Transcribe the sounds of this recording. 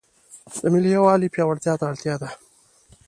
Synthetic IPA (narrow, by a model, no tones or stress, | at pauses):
d̪̥əmɪliawɑlipjɑwaɽt̪jɑt̪aːlt̪jɑd̪a